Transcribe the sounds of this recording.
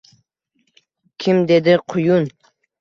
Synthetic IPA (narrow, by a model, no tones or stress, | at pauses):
kʲʰɪmd̪e̞d̪ɪqʰʊjʊn